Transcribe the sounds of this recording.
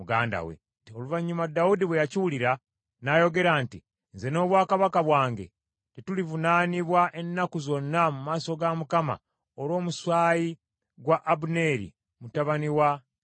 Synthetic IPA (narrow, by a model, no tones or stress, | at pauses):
muɡa̰ːnda̰wḛ | toluvaɲːumadaudiβwejaciwuliɾa | najo̞ɡe̞ɾaːnti | nze̞no̞ːβwaːkaβakaβwaːŋɡe̞̰ | tetulivunaːniβwaʔe̞nːakuzo̞nːamumaːso̞ɡamukama̰ | oɾwo̞ːmuswaːji | ɡwaʔːbune̞ɾḭ | mutaβaniwa